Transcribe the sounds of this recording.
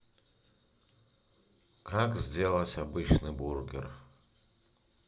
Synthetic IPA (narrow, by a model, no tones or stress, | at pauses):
kakzʲdʲelˠɐsʲabɨt͡ʃnɨburɡʲḛr